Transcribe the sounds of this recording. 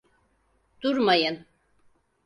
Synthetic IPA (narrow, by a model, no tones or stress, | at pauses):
d̪̥uɾmajɯn